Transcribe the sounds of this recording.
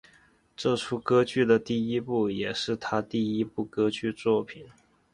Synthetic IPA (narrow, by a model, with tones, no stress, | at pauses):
ʈ͡ʂɤ˥˩ʈ͡ʂʰu˥kɤ˥t͡ɕy˥˩d̪ə˩t̪i˥˩i˥pu˥˩jɛ˨˩ʂɻ̩˥˩t̪ʰa˥t̪i˥˩i˥pu˥˩kɤ˥t͡ɕy˥˧t͡swɔ˥˩pʰi˨˩˦n